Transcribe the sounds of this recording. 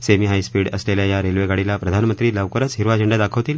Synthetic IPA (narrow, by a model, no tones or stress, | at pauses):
semiːɦajspiːɽəsleljajaɾelʋeɡaɽilapɾəd̪ʱanmənt̪ɾiːləʋkəɾət͡sɦiɾʋad͡ʑʱəɳɖad̪akʰəʋt̪iːl